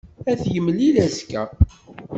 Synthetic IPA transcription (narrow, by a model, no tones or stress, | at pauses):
æθjəmːlilæskæ